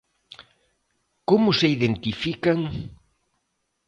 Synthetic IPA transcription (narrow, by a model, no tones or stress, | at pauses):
komʊseiðent̪ifikɐŋ